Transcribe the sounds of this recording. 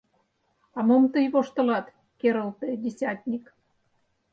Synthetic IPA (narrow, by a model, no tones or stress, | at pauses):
ɑmomt̪əjβoʃt̪ɤ̆lɑt̪ | keɾəlt̪edʲesʲɑt̪ʲnʲik